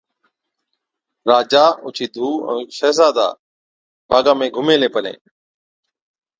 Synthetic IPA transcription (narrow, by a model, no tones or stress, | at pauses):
ɾaːd͡ʒaːʊ̰t͡ʃʰiːd̪ʱuːɛ̰̃ːʃəːzaːd̪a̰ː | bʱaːɡãːmẽːɡʱʊmeːleːpəlḛː